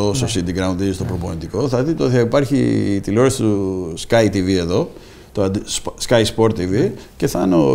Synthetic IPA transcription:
ost̪o̞sind̪iɡɾɐund̪ðizist̪o̞pɾo̞ponind̪iko̞θɐðit̪t̪eoθiɐipɐɾçit̪iloɾest̪uskɐjt̪ivie̞ðo̞ | t̪oɐd̪skɐjspo̞ɾt̪ːivice̞θɐno

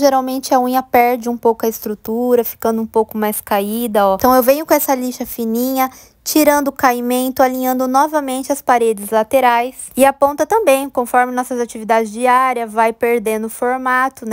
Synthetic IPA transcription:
ʒeɾawmẽnt͡ʃɪɐũɲɐpɛɾd͡ʒɪũpowkʊɐɪst̪ɾut̪uɾɐfi̥kɐ̃nd̪ʊũpowkʊmajskaid̪ɐɔt̪ɐ̃w̃ewvẽɲʊkõɛsɐliʃɐfinĩɲɐ | t͡ʃiɾɐ̃nd̪ʊʊkaimẽnt̪ʊalĩɲɐ̃nd̪ʊnɔvɐmẽnt͡ʃɪɐspaɾed͡ʒɪzlat̪eɾajs | ɪapõnt̪ɐt̪ɐ̃mbẽj̃kõfɔɾmɪnɔsɐzat͡ʃivid̪ad͡ʒɪzd͡ʒiaɾiɐvajpeɾd̪ẽnd̪ʊfoɾmat̪ʊn

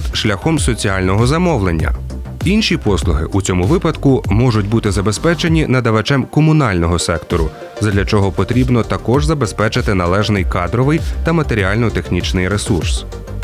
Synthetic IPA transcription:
t̪ʃlʲɐxɔmsɔt͡sʲiɑlʲnɔɦɔzɐmɔʋlˠenʲːɐ̰ | inʃʲipɔslˠʊɦɪ̰ʔut͡sʲɔmʊʋɪpɐd̪kʊmɔʒʊtʲbut̪ɪzɐbe̞spɛt͡ʃe̞nʲinɐd̪ɐʋɐt͡ʃɛmkɔmʊnɑlʲnɔɦɔsɛkt̪ɔɾʊ | zɐd̪lʲɐt͡ʃɔɦɔpɔt̪ɾʲibnɔt̪ɐkɔʒzɐbe̞spɛt͡ʃɪt̪ɪnɐlˠɛʒnɪjkɑd̪ɾɔʋɪjt̪ɐmɐt̪eɾʲiɑlʲnɔt̪e̞xnʲit͡ʃnɪjɾesurs

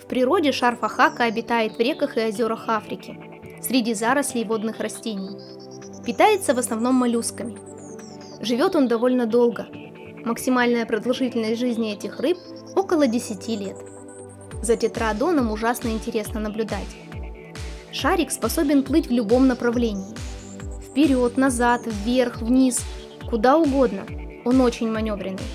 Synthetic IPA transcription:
fpɾʲɪɾo̞dʲɪʂarfɐxakəɐbʲɪt̪ajɪt̪vɾʲe̞kəxɨɐzʲo̞ɾəxafɾʲɪkʲɪ | sʲɾʲɪdʲizaɾəsʲlʲɪvo̞d̪nɨxrɐsʲtʲenʲɪj | pʲɪt̪ajɪt̪səvəsnɐvno̞mːɐlʲuskəmʲɪ | ʐɨvʲo̞t̪o̞nd̪ɐvo̞lʲnəd̪o̞lˠɡə | məksʲɪmalʲnəjəpɾəd̪ɐlˠʐɨtʲɪlʲnəsʲtʲʐɨzʲnʲɪɛtʲɪxrɨp̚ | o̞kəlˠədʲɪsʲɪtʲilʲe̞t̪ | zətʲɪt̪ɾad̪o̞nəmʊʐasnəɪnʲtʲɪɾʲe̞snənəblʲʊd̪atʲ | ʂaɾʲɪkspɐso̞bʲɪnplˠɨtʲvlʲʊbo̞mnəpɾɐvlʲenʲɪː | fpʲɪɾʲo̞t̪nɐzat̪vːʲe̞rxvnʲis | kʊd̪aʊɡo̞d̪nə̰ | o̞no̞t͡ɕɪnʲmɐnʲo̞vɾʲɪnːɨ̰j

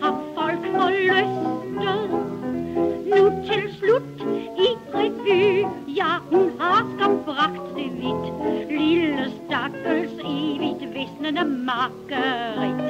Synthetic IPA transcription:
hɑffɔlkfɔløsdəðˠ | nut͡sʰe̝lslud̥iʁɛʋyjɑhunhɑskɑmb̥ʁɑɡ̥d̥ːeʋid̥liləsd̥ɑɡ̥əlseːʋid̥ʋesnənəmɑɡ̥əʁi

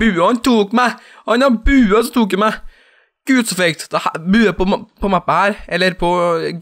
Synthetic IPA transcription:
bʉːhɑnt̪uːkmæ | hɑnɑɾbʉːsɔt̪uːk̬æmæɪ | ɡ̥ʉːd̪sɔfɛkt̪d̪ɑhbʉːæpɔpɔmɑpːəhæːɾʔɛlːəɾpʰɔ

